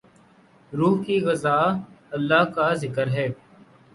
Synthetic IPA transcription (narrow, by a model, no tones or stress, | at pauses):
ɾuːɦkiːɣəzaːəlːaːkaːzɪkəɾɦɛː